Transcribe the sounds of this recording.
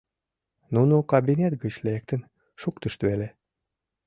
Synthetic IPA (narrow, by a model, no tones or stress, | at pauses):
nunukɑbinʲet̪ɡət͡ɕlek̚t̪ən | ʃuk̚t̪əʃt̪βele